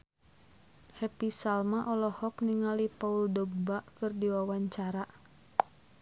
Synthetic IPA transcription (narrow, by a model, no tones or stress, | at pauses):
hɛpisalmaʔɔlɔhɔkniŋalipauldɔɡ̚baʔkɨrdiwawaɲt͡ʃaɾa